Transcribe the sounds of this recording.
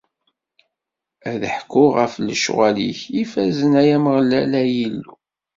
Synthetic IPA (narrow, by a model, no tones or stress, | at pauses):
æðħkːʊʁəfləʃwælḭçifæzənæjæməʁlːælæjilːu